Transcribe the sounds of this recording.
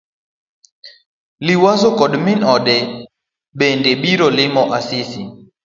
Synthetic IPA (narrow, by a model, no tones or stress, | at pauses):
liwasokɔɗminɔɗɛ | ɓɛndɛɓiɾɔlɪmɔʔasisi